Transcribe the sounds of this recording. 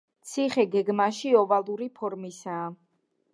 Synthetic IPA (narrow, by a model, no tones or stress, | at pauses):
t̪sʰiχɛɡɛɡmaʃiɔvalˠuɾipʰɔɾmisaː